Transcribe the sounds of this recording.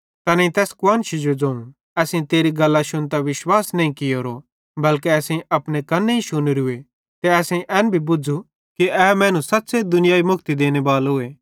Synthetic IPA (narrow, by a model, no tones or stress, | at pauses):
t̪ɐneĩt̪ɛːskʊwaːnʃid͡ʒod͡zõːũ | ɛːsĩt̪eːɾiɡɐlːaʃʊnt̪aʋɪʃwaːsnɐĩkɪjoɾo | bɐlkeɛːsĩɐpnekɐnːeiʃʊnɾɦʊe | t̪eɛːsẽʔɛːnbʱibʊd͡ʒʱu | kiɛmɛ̃ːnũsɐt̪ːsed̪ʊnɪjaːimʊkt̪id̪eːñebaːlɦʊeː